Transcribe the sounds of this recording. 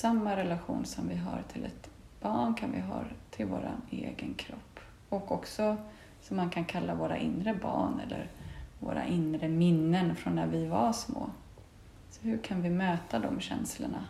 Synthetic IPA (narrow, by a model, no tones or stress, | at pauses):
samːaɾɛlaɧuːnsɔmvɪɦaɾt̪ʰɪlɛt̪ | b̥ɑːɳkʰanvɪɦɑːɾt̪ʰɪlvoːɾa̰neːɡənkʰɾɔpː | ɔkɔksɔ | sɔmːankʰankʰalːavoːɾaʔɪnɾəbɑːɳɛlːə̰ɾvo̰ːɾaʔɪnɾəmɪnːənfɾɔnːæɾvɪvaʂmoː | sɔhɵkʰanvɪmøːt̪ad̪ɔmɕɛnsləɳa